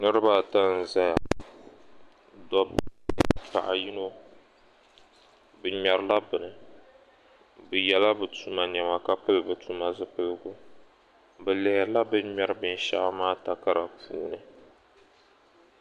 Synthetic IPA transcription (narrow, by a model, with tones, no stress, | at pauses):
nɨ˦ɾɨ˦ba˦ta˦n̩˨za˦ja˨ | dɔ˦b | pa̰˨ʔa˨ji˦no˦ | bɨ˨ɲɛ˨ɾɨ˦la˦bɨ˨nɨ˨ | bɨ˨jɛ˨la˦bɨ˨tu˨ma˨ɲɛ˨ma˨ka˦pɨ˦lɨ˨bɨ˨tu˦ma˨zɨ˦pɨ˦lɨ˦ɡʊ˦ | bɨ˨lɛ˨la˦bɨ˦ɲɛ˦ɾɨ˦bɨ˨n̩˦ʃa̰˦ʔmaː˦ta˨ka˦ɾa˨pṵː˦nɨ˨